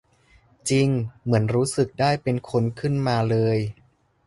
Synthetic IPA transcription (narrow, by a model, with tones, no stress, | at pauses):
t͡ɕi˧ŋmɯ˩˦ənɾuː˦˥sɯ˨˩k̚daː˥˩jpe˧nkʰo˧nkʰɯ˥˩nmaː˧lɤː˧j